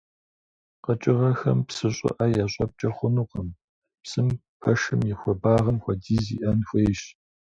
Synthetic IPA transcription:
qət͡ʃʼɪʁɐxɐmpsɨɕʼɪ̰ʔɐjaːɕʼɐp̚t͡ʃʼɐχʷʊnuːqəm | psɨm | pʰɐʂɨmjɪxʷɔbaːʁɐmxʷɔdiːzḭːʔɐnxʷeːjʃ

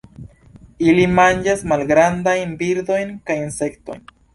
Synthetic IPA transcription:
ilimand͡ʒasmalɡɾandajnbiɾd̪o̞jnkajinse̞kto̞̰jn

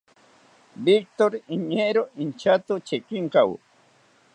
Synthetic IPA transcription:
bik̚t̪oɾiɲeɾoint͡ʃat̪ot͡ʃekiŋkaw̰

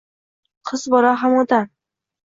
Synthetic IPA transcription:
qʰɨzbɒɾaɦamot̪an

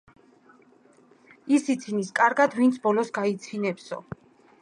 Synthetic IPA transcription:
isit̪sʰiniskʼaɾɡad̪vint̪sʰbɔlɔsɡait̪sʰinɛpsɔ̰

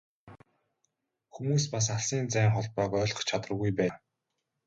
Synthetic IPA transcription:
xumuːspas̬aɮsiːnt͡sæːŋχɔɮt̪̚pœːkœːɮɞ̆χt͡ɕʰat̪ə̆rɣujpæː

